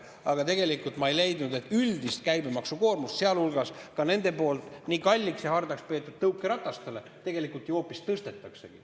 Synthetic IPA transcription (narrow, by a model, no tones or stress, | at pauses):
ɑɡ̥ɑt̪e̞ɡelikːˑult̪mɑejle̞jd̪nud̪e̞t̪ːˑyld̪ist̪̚kæjbemɑksuko̞ːrmust̪seɑlulɡ̥ɑskɑne̞nd̪̥e̞po̞ːlt̪ˑnikɑlʲːiksjɑhɑrd̪ɑkspe̞ːt̪ːˑud̥̪̚t̪ɤukːˑeɾɑt̪ːˑɑst̪ele̞ | t̪e̞ɡe̞likult̪jo̞ːpːist̪ɤst̪e̞t̪ːˑɑkse̞ɡ̥i